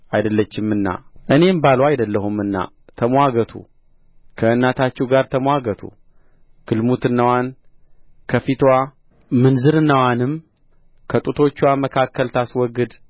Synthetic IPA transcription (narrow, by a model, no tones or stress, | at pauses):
ʔajd̪əlːət͡ʃːɪmːɨnːa̰ʔɨne̞mbalwajd̪əlːəhumːɨnːa̰ | t̪ʰəmʷwaɡət̪ʰṵ | kʰəɨnːat̪ʰat͡ʃːɛwɡaɾt̪ʰəmwaɡət̪ʰṵ | ɡ̥ɨlmut̪ɨnːəwan | kʰəfit̪ʰwa | mɨnzɨɾɨnːəwanɨm | kʰət̪ʼut̪ʰo̞t͡ʃːwaməkʰakːəlt̪ʰaswɔɡɨd̪